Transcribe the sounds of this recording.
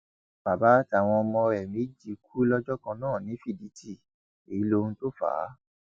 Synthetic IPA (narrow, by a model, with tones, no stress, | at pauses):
b̥a˨ba˨˦ti˦a˨w̃ɔ̃˧ɔ˧mɔ̃˧ɾɛ˨mĩ˨˦d͡ʒi˨˧k̚ʰu˦lɔ˦d͡ʒɔ˦kã˧nãː˦˨nĩ˨˦fi˦˨di˨˦ti˦˨ | e˨i˦lo˧hũ˧to˦fa̰˨˦